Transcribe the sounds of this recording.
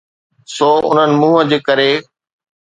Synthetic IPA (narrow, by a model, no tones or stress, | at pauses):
soːʔʊ̰n̤ənɪ̆mũːɦəd͡ʑeːkəɾe